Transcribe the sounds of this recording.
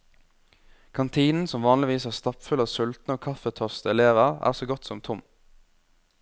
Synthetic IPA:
kʰɑnt̪ʰiːnn̩sɔmʋɑːnlɪʋiːsæːʁst̪ɑpfʉlɑːʋsʉlt̪n̩oːkʰɑfət̪ʰœʁst̪əɛleːʋəʁæ̰ːʁsoːɡɔt̪sɔmt̪ʰʊm

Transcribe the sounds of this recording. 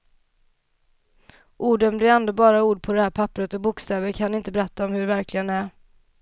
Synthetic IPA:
ʔuːɖɛmlɪand̪əbɑːɾauːɖ̚pʰɔd̪ɛhæːɾpʰapːɾət̪ɔbʊkst̪ɛːvəɾkʰanɪnt̪əbɛɾɛt̪ːaɔmhɵɖɛvæɾklɪɡənæɾ

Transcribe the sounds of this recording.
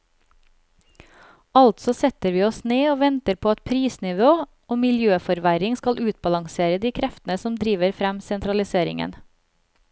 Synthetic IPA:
ɑlt̪sɔsɛt̪əɾʋiːɔsneːoːʋɛnt̪əɾpʰoːɑt̪̚pʰɾiːsnɪʋoː | oːmɪljøːfɔɾʋæɾɪŋskɑlʔʉːt̪̚bɑlɑŋseːɾəd̪iːkʰɾɛft̪n̩əsɔmd̪ɾiːʋəɾfɾæmsɛnt̪ɾɑlɪseːɾɪ̰ŋə̰n

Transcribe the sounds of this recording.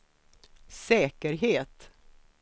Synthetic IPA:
sɛːkəɾɦeːt̪

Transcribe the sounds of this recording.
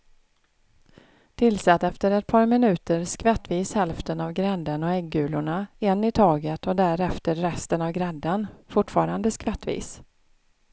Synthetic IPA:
t̪ʰɪlsɛt̪ːɛft̪əɾɛt̪̚pʰɑːɾmɪnʉ̟ːt̪əɾskvɛt̪ːviːshɛlft̪ənavɡɾɛd̪ːənɔɛɡːʉ̟ːlʊɳaɛnːɪt̪ʰɑːɡət̪ɔd̪æɾɛft̪əɾːɛst̪ənavɡɾɛd̪ːənfʊʈfɑːɾand̪əskvɛt̪ːvḭːs

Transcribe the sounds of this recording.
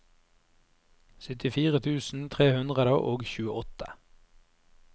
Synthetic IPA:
sʏt̪ɪfiːʁət̪ʰʉːsn̩t̪ʰʁeːhʉnd̪ʁəd̪əʔoːɡçʉːəɔt̪ʰə̥

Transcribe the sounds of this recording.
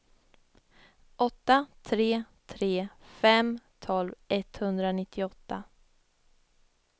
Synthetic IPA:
ʔɔt̪ːat̪ʰɾeːt̪ʰɾeːfɛmt̪ʰɔlvʔɛt̪hɵnd̪ɾanɪt̪ʰːɪɔt̪ːa

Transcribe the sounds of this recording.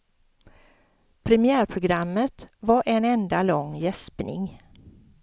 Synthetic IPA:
pʰɾɛmɪæːɾpʰɾʊɡɾamːət̪vaɾʔɛnɛnd̪alɔŋːjɛspnɪ̰ŋ

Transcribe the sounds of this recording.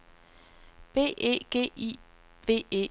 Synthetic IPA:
b̥e̝̰ːḛːɡ̥e̝̰ːḭ | ʋe̝̰ːe̝̰

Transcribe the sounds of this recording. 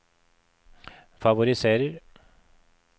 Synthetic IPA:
faʋʊɾɪseːɾəɾ

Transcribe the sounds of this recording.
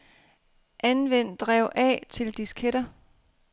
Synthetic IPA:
ʔænʋen̰d̥ʁɛʊ̰ʔɛ̰ːt͡sʰe̝ld̥iskʰeɾ̥ɐ

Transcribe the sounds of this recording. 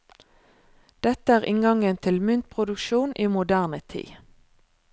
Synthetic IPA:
d̪̥ɛt̪əæːʁɪŋɡɑŋənt̪ʰɪlmʏnt̪̚pʰʁʊd̪ʉkʃuːnʔiːmʊd̪æːʁnət̪ʰḭː

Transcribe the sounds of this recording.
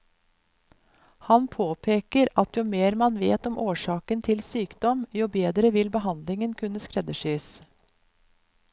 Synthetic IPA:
hɑnpʰoːpʰeːkəɾɑt̪juːmeːɾmɑnʋḛːt̪ɔmʔoːʃɑːkənt̪ʰɪlsyːkd̪ɔmjuːbeːd̪ɾəʋɪlbəhɑnd̪lɪŋənkʰʉnəskɾɛd̪əʃyːs

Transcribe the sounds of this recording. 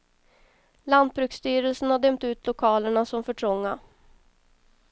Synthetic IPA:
land̪̚bɾʉ̟ːkst̪yːɾəlsənhaɖ̪ɛmt̪ʉ̟ːt̪ʰlʊkʰɑːləɳasɔmfœʈʰɾɔŋːa

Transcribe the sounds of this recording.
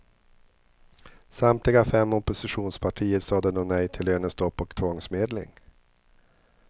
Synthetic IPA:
samt̪lɪɡafɛmːɔpʊsɪɧuːnspʰaʈʰiːəɾsɑːd̪ənɔːnɛjt̪ʰɪløːnəst̪ɔpːɔkt̪ʰvɔŋsmeːd̪lɪ̰ŋ

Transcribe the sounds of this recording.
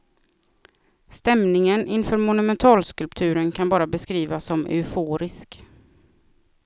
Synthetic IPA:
st̪ɛmnɪŋənʔɪnfœːɾmʊnɵmɛnt̪ʰɑːlskɵlpt̪ʰʉ̟ːɾənkʰanbɑːɾabɛskɾiːvasːɔmʔɛ̰foːɾɪsk

